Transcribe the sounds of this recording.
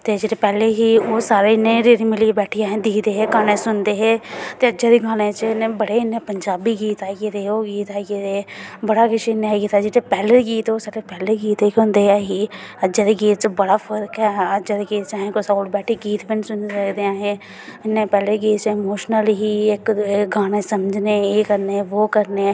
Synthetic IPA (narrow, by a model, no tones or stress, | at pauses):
t̪eːd͡ʒeːɾeːpɛːleːɦiːoːsaːɾeːɪnːẽːɾeːɾimɪliebɛːʈʰiaːɦẽːd̪iːd̪eːɦeːkaːneːsʊnd̪eːɦɛːt̪eːəd͡ʒad̪eːɡaːnẽːt͡ʃəneːbəɽeːɪnːeːpəɲd͡ʒaːbiːɡiːt̪aːkeɾeːoːɡiːt̪aːɡed̪eːbəɽaːkɪʃeːnɦɛːɡiːt̪aːd͡ʒɪːɾeːpɛːleɡiːt̪oːsaːɾepɛːleɡiːt̪ekɦʊ̃nd̪eːɛːɦiːəd͡ʒad̪eɡiːt̪̚t͡ʃbəɽaːfəɾkɦɛːəd͡ʒəd̪eɡiːt̪t͡ʃaːɦẽːkosaːlbɛːʈʰiɡiːt̪bɪnsʊnsəkd̪eaːɦeː | ɪnːẽːpɛːleːɡiːt̪t͡ʃːmoːʃnəlɦiːɪkɡʱaːɽẽːsəməd͡ʒneːeːkəɾneːʋoːkəɾne